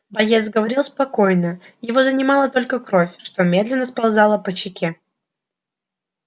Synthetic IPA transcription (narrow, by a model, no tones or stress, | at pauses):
bɐjesɡəvɐɾʲilˠspɐko̞jnəjɪvo̞zənʲɪmɑlˠət̪o̞lʲkəkɾo̞fʲʂt̪o̞mʲe̞d̪lʲɪnːəspɐlˠzɑlˠəpət͡ɕɪkʲe